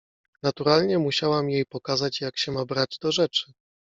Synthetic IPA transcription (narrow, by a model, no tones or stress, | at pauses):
nat̪uɾalɲɛmuɕawamjejpɔkazat͡ɕjakɕɛmabɾad͡ʑd̪ɔʐɛt͡ʂɘ̥